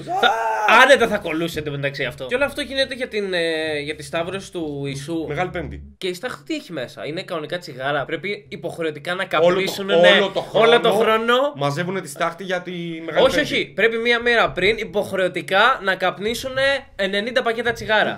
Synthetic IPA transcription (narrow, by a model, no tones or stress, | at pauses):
θɐɐnet̪eθɐko̞luse̞t̪emend̪ɐksiɐft̪o̞eoloɐft̪o̞ʝine̞t̪e̞ʝɐt̪inʝɐt̪ist̪ɐvɾo̞si̥t̪uisumeɣɐlipend̪ḭce̞ist̪ɐxt̪i̥t̪ieçime̞sɐ̰ine̞kɐnonikɐt͡siɣɐɾɐpɾe̞piːpo̞xɾe̞o̞t̪ikɐnɐkɐlisunenelot̪oxolot̪oxɾo̞no̞mɐzevunet̪ist̪ɐxt̪iʝɐt̪imeɣɐoçioçipɾe̞pimiɐmeɾɐpɾinipo̞xɾe̞o̞t̪ikɐnɐkɐpnisune̞ene̞nind̪ɐpɐce̞t̪ɐt͡siɣɐɾɐ̰